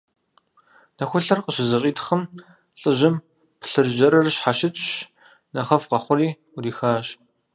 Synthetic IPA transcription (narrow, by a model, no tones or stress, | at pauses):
nɐxʷʊɬɐrqəɕɪzɐɕʼiːtʰχɐm | ɬʼɨʑɪm | pʰɬɨrʒɐɾɐrɕħaʃɪt͡ʃʼɕ | nɐχɐfqɐχʷʊriː | uriːxaːɕ